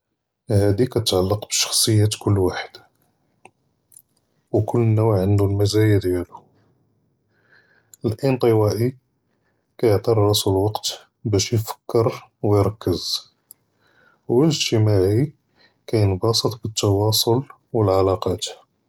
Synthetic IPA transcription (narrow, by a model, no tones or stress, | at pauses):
hæd̪ikæt̪ət̪ʕalːəqbəʃɑ̥xsˤəjːat̪kʊlːwaħə̥d̪̥ | wkʊlːnːuwʕʕənd̪ulmæzæjad̪jælu | əlʔənt̪ˤəwæʔi | kæjəʕt̪ˤɑɾˤːɑsəlwɑqt̪ | bæʃjfə̥kːəɾˤwjɾˤɑkːəz̥ | wəʒt̪əmaʕi | kæjənbɑsˤət̪ˤbət̪ːɑwɑsˤol | wəlʕalɑqɑt̪